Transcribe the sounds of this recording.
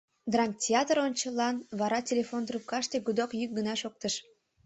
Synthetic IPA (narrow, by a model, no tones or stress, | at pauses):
d̪rɑntʲeɑt̪ronʲt͡ɕəlɑnβɑɾɑtʲelʲefond̪rup̚kɑʃt̪eɡud̪okjyk̚ɡənɑʃok̚t̪əʃ